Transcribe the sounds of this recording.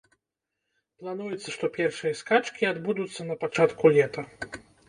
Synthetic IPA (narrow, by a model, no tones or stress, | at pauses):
plˠanujɛt̪sːɐʂt̪ɔpʲɛrʂɨjɐskat͡ʂkʲiad̪bud̪ut̪sːɐnɐpat͡ʂat̪kulʲɛt̪ɐ